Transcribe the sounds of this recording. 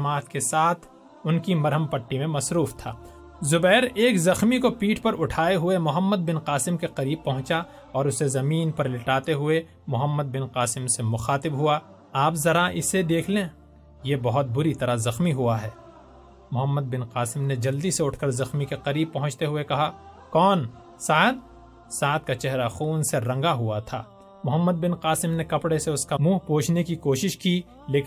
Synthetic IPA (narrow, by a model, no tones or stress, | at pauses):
maːt̪kesaːt̪ʰ | ʊnkimɐɾɦəmpɐʈːimẽmɐsɾuːft̪ʰa̰ː | zʊbɛːɾeːkzɐxmikopiːʈʰpɐɾʊʈʰaːeɦʊemʊɦəmːəd̪̚bɪnqaːsɪmkeqɐɾiːb̚pɐɦʊ̃t͡ʃa | ɔːɾʊsezɐmiːnpɐɾlɪʈaːt̪eɦʊe | mʊɦəmːəd̪̚bɪnqaːsɪmsemʊxaːt̪ɪbɦʊa | aːpzɐɾaʔɪsed̪eːkʰlẽː | jebɐɦʊt̪̚bʊɾit̪ɐɾazɐxmiɦʊaɦɛː | mʊɦəmːəd̪̚bɪnqaːsɪmned͡ʒɐld̪iseʊʈʰkɐɾzɐxmikeqɐɾiːb̚pɐɦʊ̃t͡ʃt̪eɦʊekɐɦa | kɔːn | saːt̪̚ | saːt̪̚kat͡ʃɛɦɾaxuːnseɾɐ̃ŋɡaɦʊat̪ʰaː | mʊɦəmːəd̪̚bɪnqaːsɪmnekɐpɽeseʊskamuːɦpoːt͡ʃʰnekikoːʃɪʃki | leːk